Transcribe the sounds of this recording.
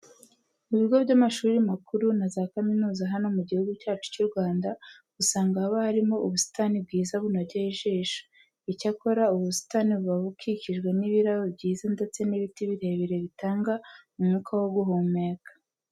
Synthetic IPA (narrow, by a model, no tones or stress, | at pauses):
muβiɡo̞bɟamaʃuːɾimakuɾunazakaminuːzaɦano̞muɟihuɡucaːt͡ʃu̥cuɾɡwaːnda | ɡ̥usaːŋɡaːβahaɾimo̞ʔuβusi̥tanib̚ɡiːzaβunaɟeiʒeːʃu̥ | icako̞ɾauβusi̥taniβuβaβukʰiciʒɡwe̞niβiɾaβobɟiːzande̞t͡se̞niβitiβiɾe̞βeɾe̞βitaːŋɡamumŋukʰawoɡuɦomekḁ